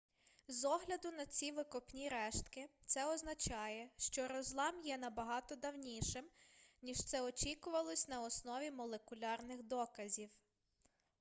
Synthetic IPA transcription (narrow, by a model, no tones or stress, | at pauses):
zɔɦlʲɐd̪ʊnɐt͡sʲiʋɪkɔpnʲiɾɛʃt̪kɪt̪sɛɔznɐt͡ʃɑjɛʃt͡ʃɔɾɔzlˠɑmjɛnɐbɐɦɑt̪ɔd̪ɐwnʲiʃɪmnʲiʃt̪sɛɔt͡ʃʲikʊʋɐlˠɔsʲnɐɔsnɔʋʲimɔlˠekʊlʲɑrnɪxd̪ɔkɐzʲiw